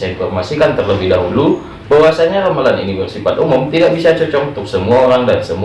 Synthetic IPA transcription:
ainfɔrmasikant̪ərləbɪhdaɦulu | bawasaɲaɾamalanḭnibərsifat̪umʊmt̪idaʔbisat͡ʃɔt͡ʃɔkunt̪ʊksəmuaoɾaŋdansəmu

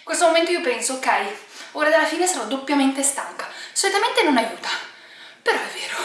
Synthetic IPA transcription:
kwest̪omoment̪oiopɛnsookːɛjoːɾad̪alːafiːnesaɾɔd̪ːopːjament̪est̪aŋkḁsolut̪ament̪enonajuːt̪a | peɾɔɛvːeːɾo

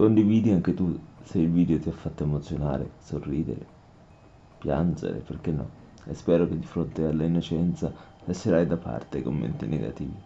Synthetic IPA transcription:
kond̪iviːd̪iaŋk̟et̪usɛilviːd̪eot̪iafːat̪ːoemot̪sːjona̰ːɾḛsorːiːd̪ḛɾe | pja̰nd͡ʒḛɾḛperk̟enːɔ̰ | espɛːɾoked̪ːifɾont̪ealːainːot͡ʃɛnt̪sa | laʃːeɾajd̪apːa̰rt̪eajkomːḛnt̪inḛɡa̰t̪ḭːvi

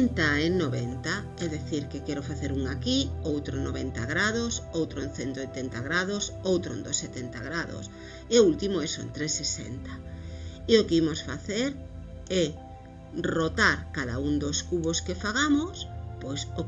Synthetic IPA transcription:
nt̪aenoβent̪a | ɛðeθiɾkekɛɾofaθeɾuŋakiowt̪ɾonoβent̪a̰ɣɾaðosowt̪ɾoẽnθent̪ojt̪ent̪aɣɾaðosowt̪ɾo̰nd̪oset̪ent̪aɣɾaðo̰s | eoult̪imoɛso̰nt̪ɾesesḛnt̪ḁ | eokeimosfa̰θeɾ | ɛ | rot̪aɾkaða̰uŋd̪oskuβoskefaɣamospojso

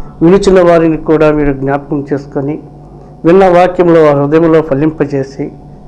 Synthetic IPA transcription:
ʋilut͡ʃinɐʋaːɾinikuːɽaːmiːɾuɡnaːpɐkɐmt͡ʃe̞ːsu̥koni | ʋinːɐʋaːkjɐmlo̞ːɐɾud̪ɐjɐmlo̞ːpʰɐlːimpɐt͡ʃe̞ːsi

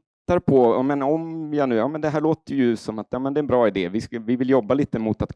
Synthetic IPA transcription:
t̪ːaɾpʰɔɑːmɛnɔmjɑnʉ̟ːjɑːmɛnd̪ɛɦæːɭoːt̪əjɵsɔmat̪jɑːmɛnd̪ɛɾɛnbɾɑːɪd̪eːvɪskvɪvɪljɔbːaliːt̪əmʊt̪at̪

